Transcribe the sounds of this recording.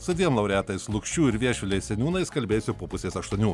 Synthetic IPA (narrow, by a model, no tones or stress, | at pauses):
sʊd̪ʲiɛmlˠɐʊɾʲæːt̪ɐɪslˠʊkʃʲt͡ʃʲuːɪɾʋʲiɛʃʲʊlʲɛɪsʲɛnʲuːnɐɪskɐlʲbʲeːjsʲʊpoːpʊsʲeːsɐʃt̪uɔnʲuː